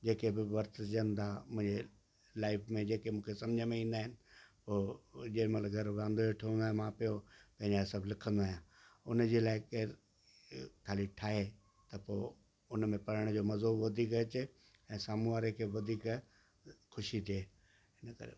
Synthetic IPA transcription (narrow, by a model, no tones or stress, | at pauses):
d͡ʑeːkebɪʋɐɾt̪d͡ʑə̃nt̪ʰamʊ̃ɦɪ̃ɲd͡ʑe | laːɪfmẽd͡ʑeːkemũːkʰesɐmd͡ʑʱəmẽĩːn̆d̪aːɦɪnɪ̆poːd͡ʑemɐləɡʱɐɾʋãːnd̪ooʈʰiə̃nd̪aːɦmãpijopɐ̃ɦɪ̃ɲd͡ʑasɐblɪkʰə̃nd̪aːɦjãː | ʊnəd͡ʑeːlaːɪke | t̪ʰaːliʈʰaːɦe | t̪ɐpoː | ʊnmẽpɐɾəɽ̃d͡ʑoːmɐzoːbʋɐd̪ʱiːkɐt͡ɕɪ | ɛ̃ːsaːmuaːɾekʰeːʋɐd̪ʱiːk | xʊʃit̪ʰieː | ɪnəkɐ̰ɾḛ